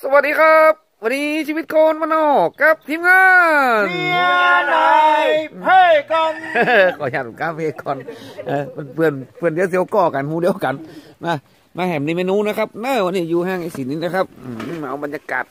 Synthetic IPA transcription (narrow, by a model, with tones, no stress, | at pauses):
sa˧wa˨˧t̪̚diː˧kʰa˦˥p̚wa˧niː˧˦si˧i˧t̪̚koː˧nmaː˧nɔː˧˩kːa˦˥p̚t̪ʰiː˧˨mŋaː˧n˧ | a˧ | a˧kɔ˧nː˧kʰɔː˨˦jaː˧˩t̪̚kaː˧˥˨pʰe˧˩kɔː˨nʔaː˧˩pe˧˩npʰɯ˧˩ənpʰɯ˧˩əndi˧˨s̬i˧˨ə˧wkɔː˧˩ka˨˦nhuː˧di˧əwka˨˦nmaː˧˩ | maː˧hɛː˨˩˦mni˧meː˧nuː˧˨na˦˥kʰa˦˥p̚nɤː˧˩wa˧niː˧˩juː˧haː˧˩ŋʔa˧˩˨si˨˦nːiː˧˥˩na˦˩kʰa˦˥p̚ʔɯː˧˩a˧ʔwba˨njaː˧ka̰ː˨˩t̪̚